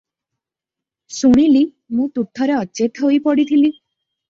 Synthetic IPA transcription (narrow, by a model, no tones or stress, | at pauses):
suɽ̃ili | mũt̪ut̪ʰːɔɾeɔt͡ʃet̪ɦojpɔɽit̪ʰili